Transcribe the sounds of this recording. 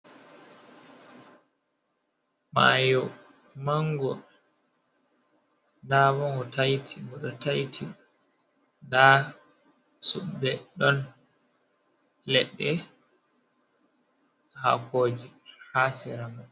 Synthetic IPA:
majɔ | maŋɡɔ | ndaβɔŋɡɔtajtʰimɔɗɔtajtʰi | nda | suɓbɛɗɔn | lɛɗːɛ | ha̰koːd͡ʒihasɛɾamɔ

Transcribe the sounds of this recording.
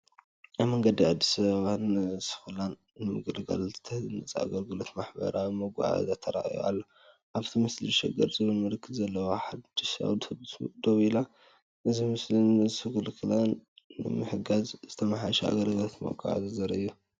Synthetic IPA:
ʔaβmɐŋɡɐd̪iad̪ːisɐβaβanɨsɨ̥xɨlanːɨmɨɡɨlɡɐ̰lzʰɨ̥t̪ʰːɐhzɨnɨt͡sʼa̰ɡɐlɡɨlo̞t̪maħbɐ̰ɾawimɐɡa̰ʕa̰zat̪ʰːɐɾa̰ʔḭja̰lːo | ʔaβt̪ʰimɨsliʃɛɡɐɾzɨβɨlmɨɾɨkʰːɨbzɐlːɐwoħad̪d̪̥iʃa̰βd̪oβila | ʔɨzimɨslinɨsɨɡɨlkʰɨlanːɨ̰mɨħɨɡazzɨt̪ʰɐmaħaʃɛa̰ɡɐlɡɨlot̪mɐ̰ɡʰa̰ʕa̰zɨzɐɾɐɨjːu

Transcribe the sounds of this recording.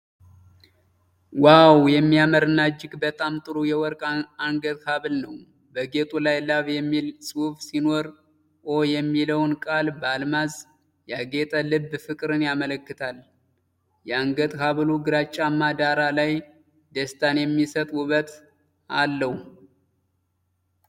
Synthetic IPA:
wawjɛmːiaməɾɨnːad͡ʒɪɡbət̪ʼamt̪ʼɨɾujɛwɔɾkʼaŋɡət̪haβɨlnəw | bəɡe̞t̪ʼulajlaβjɛmːilsʼufsino̞ɾ | ʔojɛmːiləwnkʼalbalmaz | jaɡe̞t̪ʼəlɨbːfɨkʼɾɨnjamələkːɨt̪ʰal | jɛaŋɡət̪ʼkaβluɡɨɾat͡ʃʼːamːad̪aɾalaj | d̪əst̪ʰanjɛmːisət̪ʼuβət̪ | a̰lːəh

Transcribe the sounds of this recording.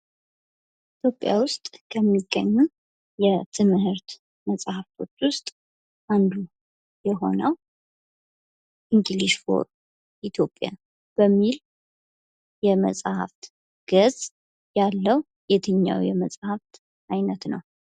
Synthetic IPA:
it̪ʰjo̞pʼːja̰wʊst̪ʼkʰəmːiɡːə̰ɲːu | jɛt̪ʰɨmhɨɾt̪ | məsʼhaft̪ʰo̞t͡ʃːwʊst̪ʼ | ʔand̪u | jɛɦo̞̰nəw | ʔiŋɡiliʃfo̞̰ɾ | ʔit̪ʰjo̞pʼːja̰ | b̥əmːil | jɛmə̰sʼha̰ft̪ | ɡ̥əz̥ | jalːəw | jɛt̪ʰɨɲːa̰wjɛməsʼhaft̪ | ʔajnət̪nəw

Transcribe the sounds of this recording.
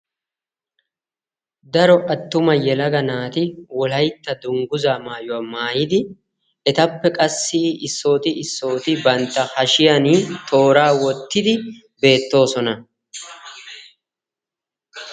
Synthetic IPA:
d̪ɐɾɔʔɐt̪ːʊmɐjɛlɐɡɐnaːt̪ɪwɔlɐjt̪ːɐd̪ʊŋɡʊzaːmaːjʊwaːmaːjɪd̪ɪ | ɛt̪ɐpːɛkʼɐsːiɪsːo̞ːt̪ɪɪsːo̞ːt̪ɪbɐnt̪ːɐhɐʃɪjɐnit̪ʰo̞ːɾaːwɔt̪ːɪd̪ɪ | be̞ːt̪ːo̞ːsɔnɐ

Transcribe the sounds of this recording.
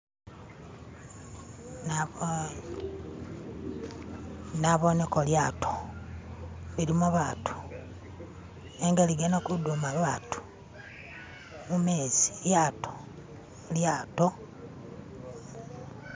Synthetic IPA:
na | naβo̞nekoljaːtʰo̥ | βiɾimuβaːtu̥ | eŋɡaliɡenakudumaβaːtu̥ | mumeːziljaːto̥ | ljaːto

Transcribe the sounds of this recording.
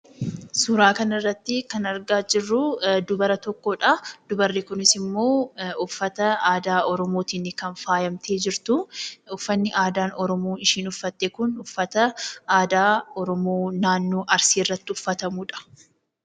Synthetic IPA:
sʊɾaːkɐnɪrːɐt̪ːɪkɐnɐɾɡaːd͡ʒɪrːʊd̪ʊbɐɾɐt̪ɔkːoːᶑɐd̪ʊbɐrːɪkʊnɪsɪmːo̞ːʊfːɐt̪ɐaːd̪aːʔɔɾɔmoːt̪iːnːɪkɐnfaːjɐmt̪ʰe̞ːd͡ʒɪɾt̪ʊʊfːɐnːɪʔaːd̪aːnɔɾɔmuːɪʃiːnʊfːɐt̪ːeːkʊnʊfːɐt̪ɐaːd̪aːɔɾɔmoːnaːnːoːʔɐɾsiːrːɐt̪ːɪʊfːɐt̪ɐmuːᶑɐ̥

